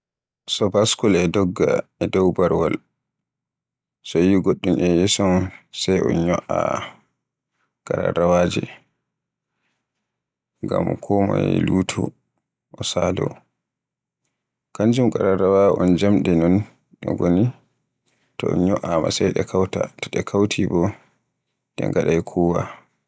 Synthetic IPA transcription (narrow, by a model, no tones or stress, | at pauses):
sɔbaskɔlɛdɔɡːa̰ɛdɔwbaɾwal | sɔjiɡoɗːumʔɛjɛsɔmsajʔɔnɲɔʔa | kʼaɾa̰ɾawad͡ʒɛ | ɡamkʰɔma̰ɛluːtʰu | ʔɔsalɔ | kand͡ʒumkʼaɾaɾawaʔɔnd͡ʒamɗɛnɔn | ɗɔɡoni | tɔɔnɲɔʔama̰sɛjɗɛkʰawtataɗɛkʰawtʰibɔ | dɛ̰ŋɡaɗajkʰuːwa